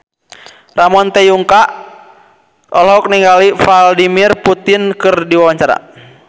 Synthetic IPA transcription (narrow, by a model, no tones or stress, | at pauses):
ramɔnt̪ɛjuŋka | ʔɔlɦɔk̚niŋɡalifaldimirput̪inkɨrdiwawaɲt͡ʃaɾa̰